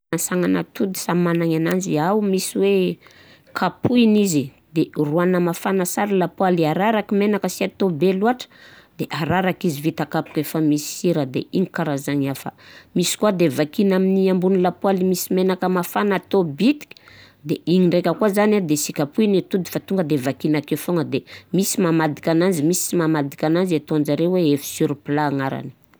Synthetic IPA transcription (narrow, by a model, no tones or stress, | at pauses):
nsaŋana̰t̪ud̪i̥samanaŋanand͡ʒiawmisiwe | kʰapʰuinizi | d̪eruanəmafanəsaɾilapualiaɾaɾakimenakəsiat̪obeluaʈ͡ʂə̥ | d̪eʔaɾaɾakizivit̪akapu̥kefamisi̥iɾəd̪ḛiɲikaɾazaɲafə̰misi̥kuad̪evakinaminiambunilapwalimisimenakəmafanat̪obit̪i̥kʲə̥ | d̪eiɲiɳɖ͡ʐekʲəkuazanad̪esikʲapuinet̪ud̪i̥fat̪uŋɡəd̪evakinakefoŋəd̪emisimamad̪i̥kʲanand͡ʒimisi̥imamad̪ikʲanand͡ʒet̪oand͡ʒaɾeweefi̥suɾipilaːŋaɾa̰ni̥